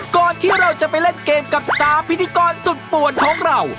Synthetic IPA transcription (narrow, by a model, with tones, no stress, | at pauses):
kɔː˧nt̪ʰiː˥˩ɾa˧wt͡ɕa˨˩pa˧jle˥˩mkeː˧mka˨˩p̚saː˨˦mpʰi˦˥t̪ʰːi˧˥kɔː˧nsu˨˩t̪̚pu˨˩ənt̪ʰu˥˩əŋɾa˧˩w